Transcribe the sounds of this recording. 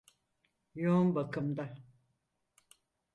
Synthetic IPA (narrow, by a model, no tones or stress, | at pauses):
joumbakʰɯmd̪a